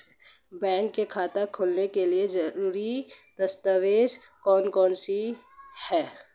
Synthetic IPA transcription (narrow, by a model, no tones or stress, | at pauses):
bɛ̃ːŋkːekʰaːt̪akʰoːlnekeliezɐɾuːɾid̪̥ɐst̪əʋeːʃkɔːnkɔːnsi | hɛː